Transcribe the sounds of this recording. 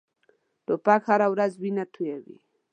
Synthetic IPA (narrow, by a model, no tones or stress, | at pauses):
t̪opakhaɾawɾazwinat̪ʰujawḭ